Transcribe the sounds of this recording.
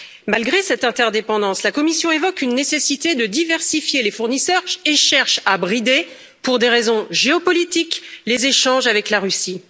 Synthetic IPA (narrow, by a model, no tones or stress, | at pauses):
malɡʁesɛt̪ɛ̃t̪ɛʁd̪epɑ̃d̪ɑ̃slakɔmisjɔ̃evɔkynːesesit̪ed̪əd̪ivɛʁsifjelefuʁnisœːʁeʃɛʁʃabʁid̪e | puʁd̪eʁezɔ̃ʒeɔpɔlit̪iklezeʃɑ̃ʒavɛklaʁysi